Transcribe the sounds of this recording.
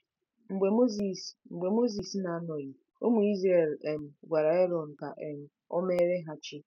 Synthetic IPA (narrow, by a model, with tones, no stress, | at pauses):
ŋ͡m̩˨ɡ͡be˨mo˦zi˨sŋ͡m̩˨ɡ͡be˨mo˦zi˨sna˨a˦nɔ˨ɣi˨ | o̰˦mu˨i˦zɾe˦˨le˨m̩˨ɡʷa˨ɾa˨e˦ɾɔ˨n̩˨ka̰˨ʔe˨m̩˨ | ɔ̰˦me˦ɾe˦ɦa˦t͡ʃi˦